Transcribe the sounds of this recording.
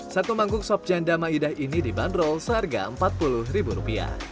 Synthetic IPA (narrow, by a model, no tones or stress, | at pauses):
sat̪umaŋkʊk̚sɔp̚d͡ʒandamaidahinidibandɾɔlsəɦarɡa̰əmpat̪̚pulʊhribuɾupia̰h